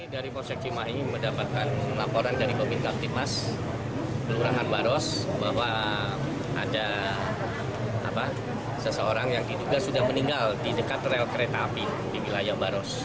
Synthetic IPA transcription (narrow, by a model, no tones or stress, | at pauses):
idaɾipɔsɛk̚simaɦiniməndapat̪̚kanlapoɾandaɾipəminkap̚t̪imas | pəluɾaɦanbaɾɔsbaɦwa | ʔa̰da | a̰pa | səsəoɾaŋjaŋdiduɡasudahməniŋɡaldidəkat̪rɛlkəɾet̪aːpi | diwilajabaɾɔs